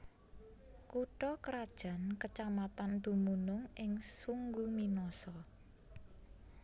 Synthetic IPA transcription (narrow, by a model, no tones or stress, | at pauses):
kuʈɔkəɾad̥ʒ̥a̤nkət͡ʃamat̪and̪̥ṳmunʊŋɪŋsuŋɡuminɔsɔ